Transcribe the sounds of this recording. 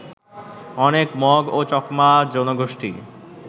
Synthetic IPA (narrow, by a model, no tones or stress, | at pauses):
ɔnekmɔɡot͡ɕɔkmad͡ʑɔnoɡoʃʈḭ